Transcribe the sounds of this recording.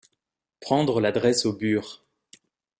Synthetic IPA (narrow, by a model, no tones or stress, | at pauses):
pχɑ̃d̪ʁəlad̪ʁɛsobyːʁ